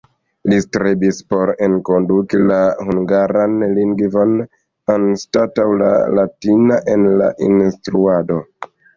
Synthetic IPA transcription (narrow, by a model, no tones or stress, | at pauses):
listɾebispo̞ɾenko̞ndukilahuŋɡaɾanliŋɡvo̞n | anstatawla̰latinaʔe̞nla̰ʔḭnstɾuado̞